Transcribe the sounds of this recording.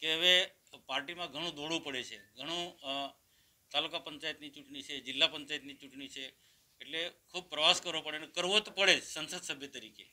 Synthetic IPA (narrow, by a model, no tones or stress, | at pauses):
keɦəʋe | paɾʈimãɡʱəɽ̃ũd̪oɽũpəɽet͡ʃʰeɡʱəɽ̃ũ | t̪alukapəɲt͡ʃajət̪nit͡ʃuʈɳit͡ʃʰed͡ʒɪlːapəɲt͡ʃajt̪nit͡ʃuʈɳit͡ʃʰeː | ʈlekʰub̚pɾəʋaskəɾʋopəɽenekəɾʋot̪pəɭesənsəd̪səbʱjət̪əɾike